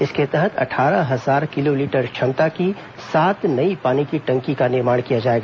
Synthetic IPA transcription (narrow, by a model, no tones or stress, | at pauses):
ɪsket̪ɛɦət̪ʰɐ̰ʈʰaːɾəɦɐzaːɾkɪloliːʈəɾt͡ʃʰɐ̃nt̪aki | saːt̪nɐipaːnikiʈɐ̃ŋkikanɪɾmaːɽ̃kijad͡ʒaːeːɡaː